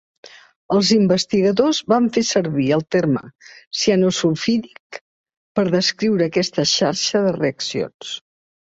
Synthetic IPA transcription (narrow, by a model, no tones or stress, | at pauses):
əlˠzimbəst̪iɣəðozβaɱfesəɾβiəlˠt̪eɾmə̰sianosufiðik | pəɾðəskɾiwɾəːkɛst̪əʃaɾʃəðəreəksijo̰ns